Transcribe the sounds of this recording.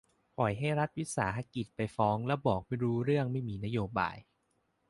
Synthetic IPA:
pʰɔ˨˩jɦa˥˩jɾa˦˥t̪̚wi˦˥sa̰ː˩˦ɦa˦˥ki˨˩t̪̚pa˧jfɔː˦˥ŋlɛ˦˥wbɔː˨˩k̚ma˥˩jɾuː˦˥ɾɯ˥˩əŋma˥˩jmiː˧na˦˥joː˧ba̰ː˧j

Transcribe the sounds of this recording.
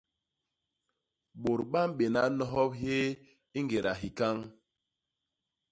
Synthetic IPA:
ɓo˨ɾɓa˦mɓe˨na˦nɔ˦ɦɔ˦p̚he˦ | i˦ŋɡe˨ɾa˨ɦi˨ka˦ŋ

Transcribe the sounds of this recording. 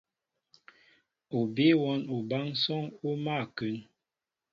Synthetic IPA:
o˨be˦wɔ˦no˨ba˦ŋsɔ˦ŋo˦ma˦˨kʉ˨˦n

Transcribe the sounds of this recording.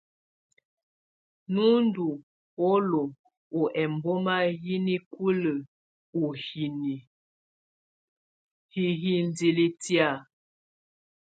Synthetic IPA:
nu˦n˦du˨ | o˦lo˨ | o˨ʔɛ˨m˨bo˦ma˦ji˦ni˦ku˦lə˨ | u˨hi˨ni˨ | hi˨ɦi˦n˨˦di˨li˦ti˦a˦˨

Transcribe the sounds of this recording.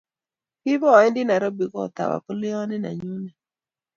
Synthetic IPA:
kɪ˦vɔ˦˨ɛ˦ndɪ˦na˨ɾɔ˦bi˨kɔ˦˨t̪a̰˨wa̰˨kɔ˦lɪ˦ɔ˦nɪ˦na̰˨ɲu˦nɛ˨

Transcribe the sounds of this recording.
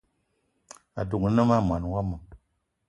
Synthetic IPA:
a̰˨du˨knə˦ma˦˨ma˨n˨wa˦mə˨

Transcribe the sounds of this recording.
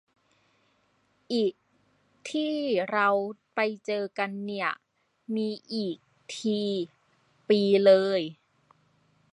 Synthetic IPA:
ʔiː˨˩k̚ | t̪ʰiː˥˩ɾa˧w | pa˧jt͡ɕɤː˧ka˧nːi˥˩ɐ | miː˧ʔiː˨˩k̚ | t̪ʰiː˧ | piː˧lɤː˧j

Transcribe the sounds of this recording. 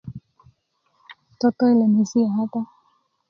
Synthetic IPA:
tɔ˦tɔ˦i˦lɛ˨ni˨si˦a˨ɦata˦

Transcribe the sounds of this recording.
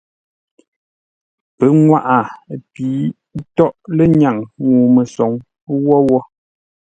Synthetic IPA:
pə˨˦ŋwa˦ʔa˨pi˨˦ | tɔ˦ʔle˦ɲa˨ŋŋuː˨mə˨sɔ˨ŋ | wɔ˦wɔ˦

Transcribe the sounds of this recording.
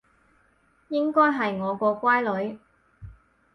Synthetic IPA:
jɪ˥ŋkɔː˥jɦɐ˨jŋɔː˨˧kɔː˧kʷaː˥jlɵ˨˧˥ɥ

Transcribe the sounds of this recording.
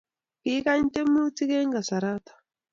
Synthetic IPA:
ki˦ka˦ɲ˦te˦mu˦ti˦ke˦ŋɡa˨sa˨ɾa˦t̪ḁ˨

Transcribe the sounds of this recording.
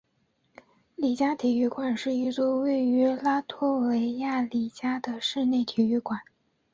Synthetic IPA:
li˨˩t͡ɕja˥t̪ʰi˨˩y˥˩kwa˨˩nʂɻ̩˥˧i˥˧t͡swɔ˥˧we˥˩ɪy˧˥la˥t̪ʰwɔ˥we˧˥ɪja˥˩li˨˩t͡ɕja˥d̪ə˨ʂɻ̩˥˧ne˥˩ɪt̪ʰi˨˩y˥˩kwa˨˩˦n

